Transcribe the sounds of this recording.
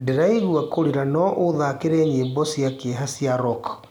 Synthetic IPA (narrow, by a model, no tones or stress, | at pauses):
deɾaiɣuakoɾeɾanɔʔoðakeɾɛːɲebɔsiakeɦasjaɾɔk